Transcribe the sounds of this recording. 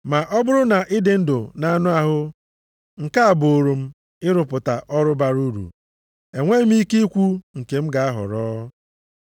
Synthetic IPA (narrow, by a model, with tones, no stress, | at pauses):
ma˨ʔɔ˦bʊ˦ɾʊ˦na˨ʔɪ˦dɪ˨n̩˦dʊ˨na˨nʊ˦a˨ɦʊ˦ | ŋ̩˨ka˦a˨bo˨ɾu˨m̩˦ | ɪ˦ɾʊ˨pʊ˨ta˨ʔɔ˦ɾʊ˦ba˨ɾu˦ɾṵ˨ | e˨ŋʷe˦m̩˦i˦ke˦i˦kʷu˦ŋ̩˨ke˨m̩˦ɡa˨a˦ɦʊ̰˨ɾɔː˦